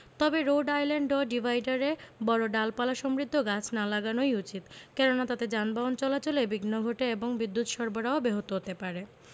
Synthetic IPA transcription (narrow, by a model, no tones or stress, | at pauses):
t̪ɔbeɾowɖajleɳɖoɖibʱajɖaɾebɔɾoɖalpalaʃɔmɾid̪ʱːoɡat͡ɕʰnalaɡanojut͡ɕit̪kɛnonat̪at̪ed͡ʑanbaont͡ɕɔlat͡ɕolebiɡnoɡʱoʈeeboŋbid̪ːut̪ʃɔɾboɾaobeɦot̪oɦot̪epaɾe